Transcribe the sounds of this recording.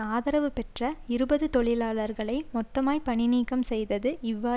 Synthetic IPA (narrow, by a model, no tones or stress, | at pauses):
aːðɐɾɐʋɯpɛʈrɐɪɾɯbɐðɯt̪ɔɭɪlaːɭɐɾɣɐɭɐɪmɔt̪ːɐmaːjpɐɳɪniːkɐmsɛjðɐðɯʔɪʋːaː